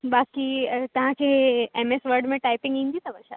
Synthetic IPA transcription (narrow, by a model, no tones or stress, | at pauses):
bakit̪əɦãt͡ɕeɦeemesʋəɾɖmeʈajpĩŋɡind̪it̪əbəɾɕa̰